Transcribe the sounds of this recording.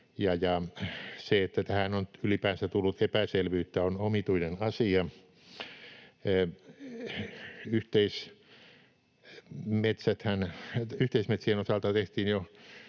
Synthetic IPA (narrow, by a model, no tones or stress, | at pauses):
jɑjɑseet̪ːæt̪æhænonylipæːnsæt̪ulːut̪epæselʋyːt̪ːæonomit̪uinenɑsiɑ | yht̪eis | met̪sæt̪hænyht̪eismet̪sienosɑlt̪ɑt̪eht̪iːnjo